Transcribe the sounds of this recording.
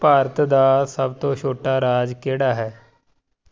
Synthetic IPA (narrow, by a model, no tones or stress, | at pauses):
paːɾət̪d̪aːsəbt̪õːʃʰoːʈaːɾaːd͡ʒkeːɽaːɦɛː